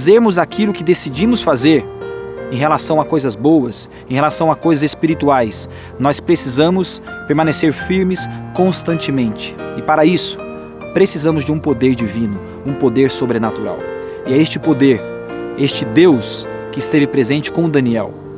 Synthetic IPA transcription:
zeɾmʊzakilʊkɪd̪esid͡ʒĩmʊsfazeɾẽj̃ɦelasɐ̃w̃akojzɐzbowɐs | ẽɦelasɐ̃w̃akojzɐzespiɾit̪uajs | nɔspɾesizɐ̃mʊs | peɾmɐ̃neseɾfiɾmɪskõst̪ɐ̃nt͡ʃɪmẽnt͡ʃɪ̥ɪpaɾɐisʊ̥ | pɾesizɐ̃mʊzd͡ʒɪũpod̪eɾd͡ʒivĩnʊ | ũpod̪eɾsobɾenat̪uɾa̰w | ɪɛest͡ʃɪpod̪eɾ | est͡ʃɪd̪ews | kɪɪst̪evɪpɾezẽnt͡ʃɪ̥kõʊd̪ɐ̃niɛ̰w

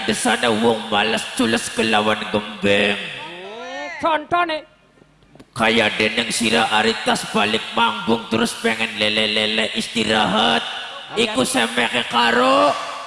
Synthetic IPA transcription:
dəsanawɔŋmaləst͡ʃuləskəlawanɡəmbɛŋ | kajadənəŋsiɾaʔaɾit̪aspalɪk̚mambʊŋt̪əɾʊspɛŋɛnlɛlɛlɛlɛʔist̪iɾaɦat̪̚ | ikusəmɛkekaɾoʔ

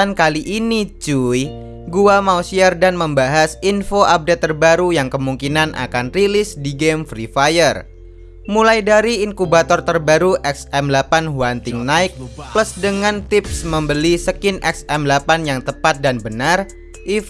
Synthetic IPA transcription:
ankaliʔinit͡ʃuj | ɡuamausiardanməmbaɦasinfoʔap̚det̪ːərbaɾujaŋkəmuŋkinanʔa̰kanrilɪsdiɡemfɾifajər | mulajdaɾiːŋkubat̪ɔrt̪ərbaɾuʔɛksɛmlapanɦuant̪ɪŋnaɪk̚pləsdəŋant̪ɪp̚sməmbəlisəkɪnʔɛksɛmlapanjaŋt̪əpat̪̚danbənar | ʔi

